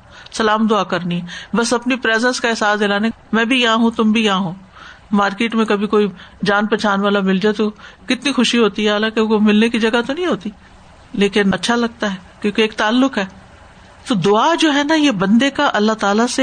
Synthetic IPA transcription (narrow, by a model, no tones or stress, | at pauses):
sɐlaːmd̪ʊaːkɐɾniɦɛbɐsɐpnipɾeːzɛ̃nskaɛːsaːsd̪elaːne | mɛ̃ːbʱijɐɦãɦũt̪ʊmbʱijɐɦãɦũː | maːɾkeːʈmẽkɐbʱikoːid͡ʒaːnpɛːt͡ʃaːnʋaːlamɪld͡ʒaːet̪okɪt̪nixʊʃiɦoːt̪iɦɛɦaːlãːkekomɪlnekid͡ʒɐɡat̪onɐ̃ɦĩɦoːt̪i | leːkɪnɐtːʃʰalɐɡ̚t̪aɦɛkjõːkeːk̚t̪aːlːʊkɦɛː | t̪od̪ʊad͡ʒoːɦɛnajebɐ̃nd̪ekaʔɐlːat̪aːlase